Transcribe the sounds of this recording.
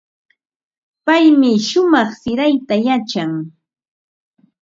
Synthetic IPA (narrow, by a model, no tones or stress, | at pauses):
pajmɪʃʊmɑχsɪɾajt̪ajat͡ʃaŋ